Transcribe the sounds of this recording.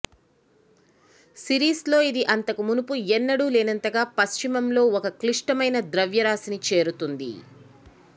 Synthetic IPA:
siɾiːslo̞ːid̪iʔɐnt̪ɐkumunupuɛnːɐɽuːleːnɐnt̪ɐɡaːpɐst͡ʃimɐmlo̞ːɔkɐkliʂʈɐmɐjnɐd̪ɾɐʋjɐɾaːsinit͡ʃe̞ːɾut̪und̪ḭ

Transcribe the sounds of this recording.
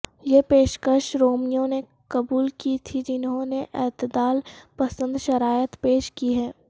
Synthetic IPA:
jepeːʃkəʃɾoːmijõne | kɐbuːlkit̪ʰid͡ʒɪnɦõneʔɛːt̪əd̪aːlpɐsə̃nd̪ʃɐɾaːjət̪peːʃkiɦɛː

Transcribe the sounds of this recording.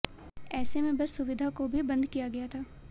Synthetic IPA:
ɛːsemẽbɐsːʊʋɪd̪ʱakobʱibɐ̃nd̪kijaɡɐjat̪ʰaː

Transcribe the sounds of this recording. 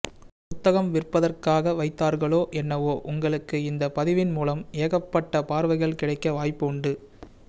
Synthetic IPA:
pʊt̪ːɐɣɐmʋɪrpːɐðɐrkaːɣɐʋɐɪt̪ːaːɾɣɐɭoːʔɛnːɐʋoːʔʊŋɡɐɭɯkːɯɪnd̪ɐpɐðɪʋɪnmuːlɐmeːɣɐpːɐʈːɐpaːɾʋɐɪɣɐɭkɪɽɐɪkːɐʋaːjpːɯʊɳɖɯ

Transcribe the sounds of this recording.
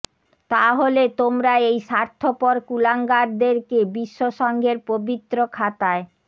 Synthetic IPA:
t̪aɦolet̪omɾaejʃaɾt̪ʰopɔɾkulaŋɡaɾd̪eɾkebiʃːoʃɔŋɡʱeɾpobit̪ːɾokʰat̪ae

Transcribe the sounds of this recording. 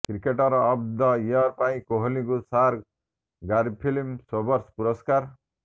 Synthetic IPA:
kɾikeʈɔɾɔːbd̪ɔjaɾpaĩkoɦlĩkusaɾ | ɡaɾipʰilimsobʌɾspuɾɔskaɾ

